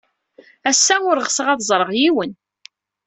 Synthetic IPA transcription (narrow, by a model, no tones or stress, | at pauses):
æsːæʊɾʁsəʁæðzˤɾˤəʁjiwən